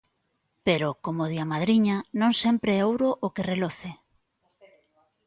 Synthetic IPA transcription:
peɾokomoð̞iamaðɾiɲanõŋsɛmpɾeowɾoʔokereloθe

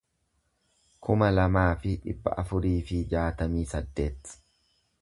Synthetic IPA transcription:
kʰʊmɐlɐmaːfɪᶑɪbːɐ̰ʔɐfʊɾiːfɪd͡ʒaːt̪ɐmiːsɐd̪ːe̞ːt̪

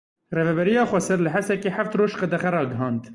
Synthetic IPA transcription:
reːvɛbɛɾijɑːxʷɛsɛɾlɨɦɛst̪ɛkeːħaft̪roːʃqɛd̪ɛχɛɾɑːɡəɦɑːnd̪

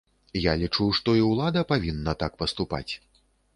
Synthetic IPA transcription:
jalʲit͡ʂuwʂt̪ɔiwlˠad̪ɐpavʲinːɐt̪akpɐst̪upa̰t͡sʲ

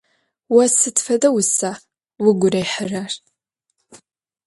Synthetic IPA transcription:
wɐsɨtfɐdɐwʊsaː | wʊɡʷʊrɐjħərar

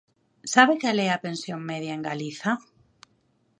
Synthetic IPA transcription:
saβekalɛapẽnsjoŋmeðjaeŋɡaliθa

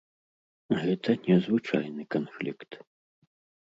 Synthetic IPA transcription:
ɣɛt̪ʰɐnʲɛzvɨt͡ʂa̰jnɨkanfʲlʲikt̪

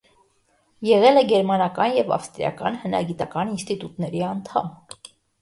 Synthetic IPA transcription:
jɛʁɛlɛɡɛɾmɑnɑkɑnjɛvɑ̰fst̪ɾijɑ̰kɑ̰nhənɑ̰ɡit̪ɑkɑninst̪it̪ut̪nɛɾiɑnt̪ʰɑ̰m

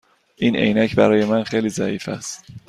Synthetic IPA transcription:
ʔiːne̞̰jnæcʰbæɾɒːje̞mænxejliːzæʔiːfæ̰st̪

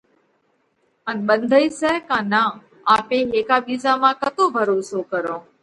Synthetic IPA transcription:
ənɓənd̪ʱəiːsɛːkãːnãː | aːpeːɦeːkaːɓiːzaːmãːkət̪oːbʱəɾoːsoːkəɾõː

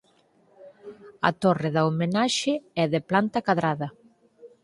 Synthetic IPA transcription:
ɐ̰t̪orɪðɐomenaʃɪɛðɪplant̪ɐkaðɾaðɐ

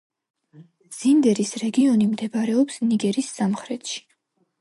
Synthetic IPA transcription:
z̥ind̪ɛɾisɾɛɡiɔnimd̪ɛbɾɛɔpsniɡɛɾisːamχɾɛt̪ʃi̥

